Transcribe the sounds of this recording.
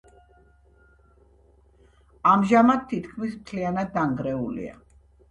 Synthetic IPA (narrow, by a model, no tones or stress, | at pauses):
amʒamad̪̚t̪ʰːit̪kʰmismt̪ʰlianad̪ːaŋɡɾɛulḭa̰